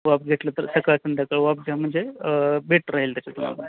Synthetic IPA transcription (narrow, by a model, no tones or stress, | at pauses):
ʋap̚ɡʱeʈ̪lət̪əɾsəkasənd̪ʱjakəɭʋap̚ɡʱam̤əɳd͡zebeʈɾaɦelt̪jat͡ɕat̪um̤a̰la